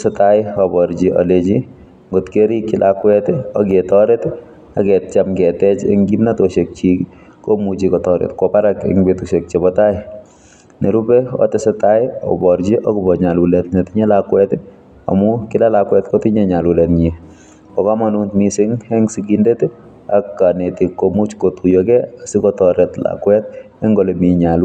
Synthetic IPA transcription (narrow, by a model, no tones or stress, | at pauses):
sɪtaɪɔbɔɾd͡ʒiʔɔ̰let͡ʃi | ŋɡotkeɾikːilʔakwɛtɔɡetɔɾet | akɛt̚t͡ʃamkɛtɛt͡ʃḛŋɡimnatoʃek̚t͡ʃik | komut͡ʃikɔtɔɾḛtkɔpaɾakḛŋbetuʃek̚t͡ʃɛbɔtaɪ | neɾubɛɔ̰tɪsɪtaɪɔ̰bɔɾt͡ʃiʔɔkʊbɔɲalwulɛtnɛtɪɲɛlakwɛtɪ | a̰mʊkɪlalakwɛtkɔtɪɲɛɲalwulɛtɲɛ | ɔkamanuntmisɪŋhɛŋsiɡindeti | akːanetikːomut͡ʃkotujɔkɛasɪkɔtɔɾɛtla̰kwɛt̚ | ɛŋɡɔlemiɲal